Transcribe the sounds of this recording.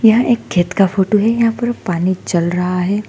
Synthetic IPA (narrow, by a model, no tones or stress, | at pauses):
jɐɦãʔeːk̚ɡʰʱeːt̪kafoːʈoɦɛjɐɦãpɐɾpaːnit͡ʃɐlɾɐɦaɦɛː